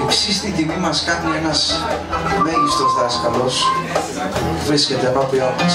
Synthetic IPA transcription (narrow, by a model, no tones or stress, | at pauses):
ipsist̪it̪imimɐskɐnunenɐs | meʎist̪o̞sðɐskɐlo̞s | uvɾiscet̪eɐpɐpiɐp